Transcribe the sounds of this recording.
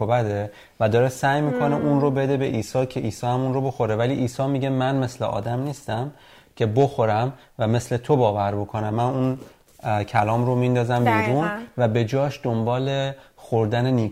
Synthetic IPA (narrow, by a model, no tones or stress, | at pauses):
obæd̪e | væd̪ɒːɾesæjmiːkʰo̞ne̞ʔunɾobe̞d̪e̞be̞ʔiːsɒːcʰe̞ʔiːsɒːhæmuːnɾobo̞xo̞ɾevæliʔiːsɒːmiɟemænme̞sleʔɒ̰ːd̪æmniːst̪æm | cʰe̞bo̞xo̞ɾæm | væme̞sle̞t̪ʰobɒːvæɾbo̞kʰo̞næmːænun | cʰælɒːmɾomind̪ɒːzæmbiːɾunvæbe̞d͡ʒɒːʃd̪̥o̞mbɒːle̞xoɾd̪æneniː